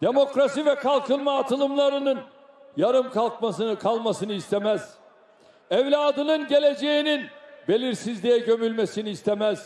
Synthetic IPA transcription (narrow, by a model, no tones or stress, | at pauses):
d̪̥e̞mo̞kɾasivɛkʰalˠkɯlˠmaːt̪ʰɯlˠɯmlˠaɾɯnɯn | jaɾɯmkʰalˠk̚masɯnɯkʰalˠmasɯnɯist̪ʰe̞mæz̥ | ɛvlʲaːd̪ɯnɯnɟe̞lʲe̞d͡ʒe̞jininbe̞lʲiɾsizlʲijɛɟø̞mylʲme̞siniːst̪ʰemæz̥